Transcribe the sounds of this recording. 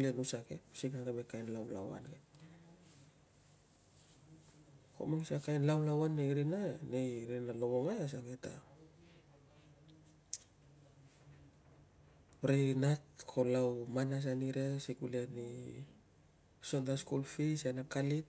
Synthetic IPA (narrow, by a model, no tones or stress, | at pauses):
lenusakesiknakabekajnlawla̰wa̰nke | ko̰maŋisakajnlawlawanːejɾinanejɾinalo̞mo̞ŋajas̬aβe̞ta̰ | ɾejɾinat̚kʰo̞lawmanas̬aniɾesikuleni | so̞ntaskulfisenakalit̚